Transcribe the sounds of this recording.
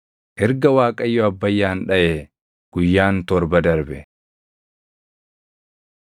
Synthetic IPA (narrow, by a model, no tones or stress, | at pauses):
ʔɪɾɡɐwaːkʼɐjːɔɐbːɐjːaːnᶑɐʔeː | ɡ̥ʊjːaːnt̪ɔɾbɐd̪ɐɾbɛ